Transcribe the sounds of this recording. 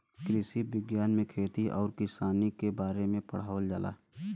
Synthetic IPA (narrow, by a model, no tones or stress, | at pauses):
kɾɪsiʋɪɡjaːnmẽkʰeːt̪iʔɔːɾkɪsaːnikebaːɾemẽpəɽ̤aːʋld͡ʒala̰ː